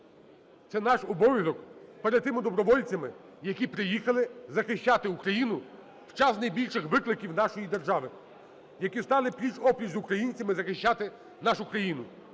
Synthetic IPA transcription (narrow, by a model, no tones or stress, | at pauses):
t̪sɛnɑʃɔbɔʋʲizɔkpɛɾɛd̪̚t̪ːɪmɪd̪ɔbɾɔʋɔlʲt͡sʲɐmɪ | jɐkʲipɾɪjixɐlˠɪzɐxɪʃʲt͡ʃɑt̪ɪukɾɐjinʊ | wt͡ʃɑsnɐjbʲilʲʃɪxʋɪklˠɪkʲiwn̪ɑʃɔjid̪erʒɑʋɪ | jɐkʲist̪ɑlˠɪpʲit͡ʃɔpʲit͡ʃzukɾɐjinʲt͡sʲɐmɪzɐxɪʃt͡ʃːat̪ɪ | nɑʃʊkɾɐjinʊ